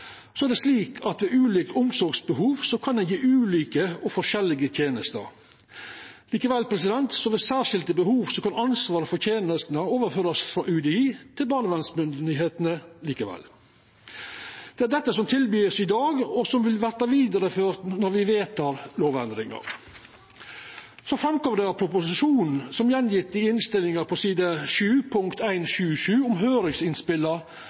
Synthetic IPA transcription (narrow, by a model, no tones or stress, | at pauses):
sɔæɖ̪ɛsliːkʰɑt̪ʋɛʔʉːliːkəʊmsɔɾɡsbəɦuːʋsɔkʰɑnd̪ɛnjiːʔʉːliːkəɔfɔʂɛlɪɡət̪ʰjeːnəst̪ə̰ɾ | liːkəʋɛlpʰɾɛs̬ɪd̪ɛnt̪sɔʋɛsæːʂɪlt̪əbəhuːʋsɔkʰɑnɑnsʋɑːɾəfɔɾt̪ʰjeːnəst̪nəoːʋəɾføːɾɑsfɾɑʔʉd̪ɛiːt̪ʰɪlbɑːləʋɛnsmʏnd̪ɪɦeːt̪ənəliːkəʋɛ̰lː | d̪̥ɛæɖɛt̪ːəsɔmt̪ʰɪlbyːsɪd̪ɑːɡɔsɔmʋɪlʋæɾt̪ɑʋiːd̪ɑɾəføːɾt̪nɔɾʋɪʋeːt̪ʰɑːɾloːʋɛnd̪ɾɪŋɑ̰ɾ | sɔfɾɑmkɔmd̪ɛæɾpʰɾʊpʊsɪʃuːnn̩sɔmjɛnjɪt̪d̪ɪɪnst̪ɪlɪŋɑɾpʰɔsiːd̪ɑʃʉːpʰʊŋkt̪æɪnʃʉːʂʉːʊmɦøːɾɪŋsɪnspɪlːɑ